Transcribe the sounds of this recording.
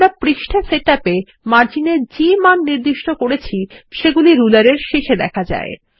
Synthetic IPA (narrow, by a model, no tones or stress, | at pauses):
ɾapɾiʃʈʰaseʈape | maɾt͡ɕineɾd͡ʑimanniɾd̪iʃʈokoɾet͡ɕʰiʃeɡuliɾulaɾeɾʃeʃed̪ɛkʰad͡ʑa̰e